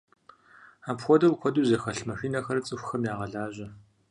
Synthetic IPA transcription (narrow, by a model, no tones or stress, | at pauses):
aːpxʷɔdɐlkʷʰɔduːzɐxɐɬmɐxiːnɐxɐrt͡sʼɨxʷxɐmjaːʁɐɮaːʒʑɐ